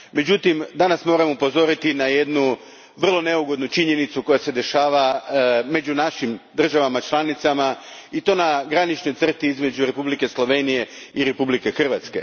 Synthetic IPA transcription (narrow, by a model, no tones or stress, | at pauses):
me̞d͡ʑut̪imd̪anasmo̞ɾamupo̞zo̞ɾit̪inaje̞d̪nu | ʋr̩lˠo̞ne̞uɡo̞d̪nut͡ʃiɲe̞nit̪suko̞jase̞d̪e̞ʃaːʋame̞d͡ʒunaʃimd̪r̩ʒaʋamat͡ʃlˠanit̪samait̪o̞naɡɾanit͡ʃno̞jt̪r̩t̪iizme̞d͡ʒuɾe̞publike̞slˠo̞ʋe̞nije̞iɾe̞publike̞xr̩ʋat̪ske̞̰